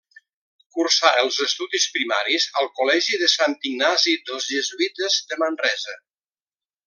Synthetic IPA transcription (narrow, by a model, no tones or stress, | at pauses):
kursaəlˠzəst̪uðispɾimaɾizəlˠkulɛʒiðəsant̪iŋnazid̪əlˠzʒəzuit̪əzd̪əmənrɛzə